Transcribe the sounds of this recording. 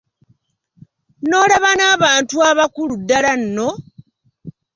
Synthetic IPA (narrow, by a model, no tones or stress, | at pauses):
no̞ːlaβanaːβaːntuaβakuludːalanːo̞